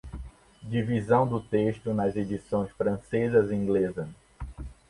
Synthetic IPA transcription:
d͡ʒivizɐ̃w̃d̪ʊt̪eʃt̪ʊnɐzed͡ʒisõj̃sfɾɐ̃sezɐzĩŋɡlezɐ

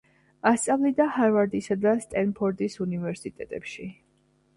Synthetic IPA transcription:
ast̪sʼavlid̪ahaɾvaɾd̪isad̪ast̪ʼɛnpʰɔɾd̪isunivɛɾsit̪ʼɛt̪ʼɛpʃi

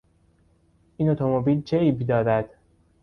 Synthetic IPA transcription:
ʔiːnot̪ʰomobiːlt͡ʃʰeiːbid̪ɒːd̪æd̪̥

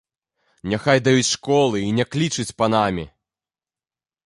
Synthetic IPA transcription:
nʲɛxajd̪ajut͡sʲʂkɔlˠɨinʲɛklʲit͡ʂɨt͡sʲpɐnamʲi

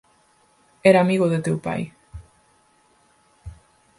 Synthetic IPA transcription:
eɾamiɣoðet̪ewpa̰j

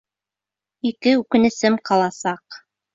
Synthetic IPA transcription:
ikɘʉkɘ̆nɘ̆sɘmqɑlˠɑsɑq

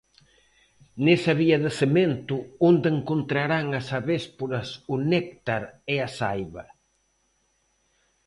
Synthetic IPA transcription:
nesɐβiɐðɪsement̪ʊond̪eŋkont̪ɾaɾaŋɐsaβespoɾɐsʊnek̚t̪aɾeasajβɐ

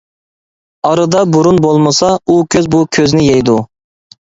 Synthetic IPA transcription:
ɑɾɨd̪ɑbuɾunbolˠmɨsɑukʲʰøzbukʲʰøznɪjejd̪u

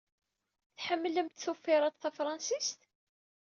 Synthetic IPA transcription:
θħəmːələmt̪θufːɪɾˤɑt̪θæfɾˤɑnsist̪

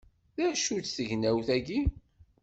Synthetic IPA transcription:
ðæʃut͡sθəʝnæwθæɡi

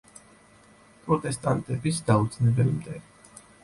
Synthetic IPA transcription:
pʼɾɔt̪ʼɛst̪ʼant̪ʼɛbisd̪̥aud̪znɛbɛlmd̪ɛ

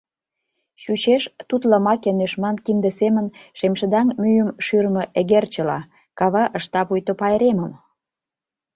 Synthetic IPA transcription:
ɕut͡ɕeʃt̪ut̪lɑmɑkenøʃmɑnkind̪ə̆semə̆nʃemʃə̆d̪ɑŋmyjə̆mʃyɾmɤ̆ʔeɣert͡ɕə̆lɑ | kɑβɑʔə̆ʃt̪ɑpujt̪opɑjeɾemə̆m

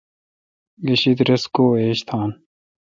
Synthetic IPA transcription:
ɡɐɕid̪ɾɐskoːeːɕt̪ʰaːn

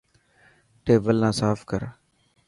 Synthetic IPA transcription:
ʈeːbəlnãːsaːfkəɾ

